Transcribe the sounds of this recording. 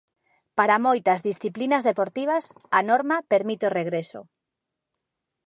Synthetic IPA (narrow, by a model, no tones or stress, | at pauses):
paɾamojt̪ɐzðisθiplinɐzðepoɾt̪iβ̞ɐsanɔɾmapeɾmit̪eoreɣɾeso̰